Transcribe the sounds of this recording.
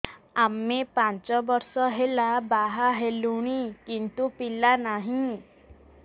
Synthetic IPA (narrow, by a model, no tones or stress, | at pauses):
amːepãt͡ʃɔbɔɾsɔɦelabaɦaɦeluɽ̃ikint̪upilanaɦĩ